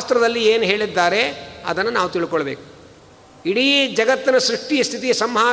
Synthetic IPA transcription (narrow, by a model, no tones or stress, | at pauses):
aːst̪ɾɐd̪ɐlːieːnuɦe̞ːɭid̪ːaːɾe̞ɐ̰d̪ɐnːɐnaːʋut̪iɭikɔɭɐbeːku̥ | iɽiːd͡ʒɐɡɐt̪ːinɐʃɾiʂʈijɐst̪ʰit̪ijɐsɐmɦaː